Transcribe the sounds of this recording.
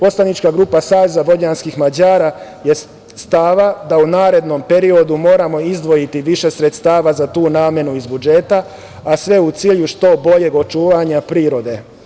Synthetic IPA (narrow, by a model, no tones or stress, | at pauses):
po̞slˠanit͡ʃkaɡɾuːpasaːʋezaʋo̞d͡ʑanskixmad͡ʑaːɾa | je̞ | st̪aːʋad̪aunaːɾe̞d̪no̞mpe̞ɾio̞d̪umo̞ːɾamo̞izd̪ʋo̞jit̪iʋiʃe̞sɾe̞t̪st̪aːʋazat̪uːnaːmje̞nuizbud͡ʒe̞t̪a | asʋe̞ut̪siːʎuʃt̪o̞bo̞ʎe̞ɡo̞t͡ʃuːʋaɲapɾiːɾo̞d̪e̞